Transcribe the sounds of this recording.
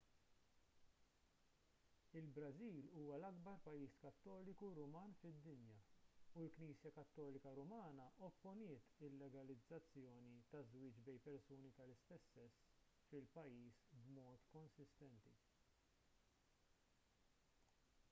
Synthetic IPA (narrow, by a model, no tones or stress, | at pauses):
ɪlbɾɐziːluːwɐlɐɡbɐɾpɐjːiːskɐt̪ːɔːlɪkuɾʊmɐːnfɪd̪ːɪnjɐulkniːsjɐkɐt̪ːɔːlɪkɐɾʊmɐːnɐʔɔpːʊnɪːt̪ɪlːɛɡɐlɪd͡zːɐt͡sːjɔːnit̪ɐzwɪːt͡ʃbɛjpɛɾsuːnit̪ɐlɪst̪ɛsːɛsː | fɪlpɐjːiːsbmɔːt̪kɔnsɪst̪ɛnt̪i